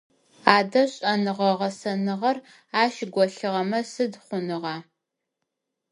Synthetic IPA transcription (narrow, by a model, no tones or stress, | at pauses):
aːdɐɕʼɐnɨʁɐʁɐsɐnɨʁɐr | aːʃɡʷɔɬɨʁɐmɐsɨdχʷʊnɨʁɑː